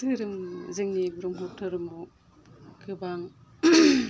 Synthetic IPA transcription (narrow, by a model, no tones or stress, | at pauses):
ɯɾɯŋzɯŋnibɾɔŋɦɔtʰɯɾɯmu | kʰɯbaŋ